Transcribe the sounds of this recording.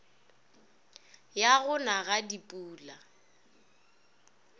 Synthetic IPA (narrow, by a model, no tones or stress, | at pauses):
jaɣʊnaɣadipʼuːla